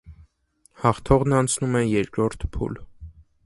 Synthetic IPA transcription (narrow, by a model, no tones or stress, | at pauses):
hɑχt̪ʰɔʁnɑnt͡sʰnumɛjɛɾkɾɔɾt̪ʰpʰṵl